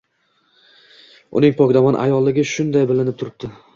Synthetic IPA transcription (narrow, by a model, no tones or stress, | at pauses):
ʊ̰nɪŋpʰɒkʲd̪amanʔa̰jɒlˠːɪɡʲɪʃʊnd̪ajbɪlɪnɪp̚t̪ʰʊɾɪb̚d̪̥ɪ